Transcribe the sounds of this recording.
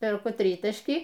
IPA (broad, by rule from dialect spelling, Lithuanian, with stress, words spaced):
pʲɛrˈkʊ ˈtʲrʲiːtɐʃʲkʲiː